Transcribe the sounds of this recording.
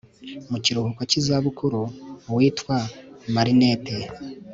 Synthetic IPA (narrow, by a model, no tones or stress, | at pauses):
muciɾuhukwacizaβukuɾuwiːtwamaɾine̞te